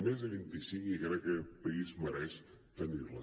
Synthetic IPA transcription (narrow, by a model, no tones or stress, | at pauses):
mezðəβint̪isiŋkikɾɛkːəpəizməɾɛʃ | t̪ənirlə